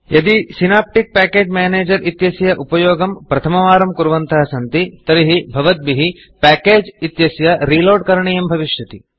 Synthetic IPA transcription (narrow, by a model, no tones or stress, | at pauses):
jɐd̪isinaːp̚ʈik̚pæːkeːd͡ʒmeːneːd͡ʒɐɾʔit̪jɐsjɐʔupɐjoːɡɐmpɾɐt̪ʰɐmɐʋaːɾɐmkuɾʋɐnt̪ʰɐɦɐsɐnt̪it̪ɐɾiɦibʱɐʋɐt̪̚biɦi | pæːkeːd͡ʒit̪jɐsjɐɾiːloːɖkɐɾɐɳijembʱɐʋiʃjɐt̪i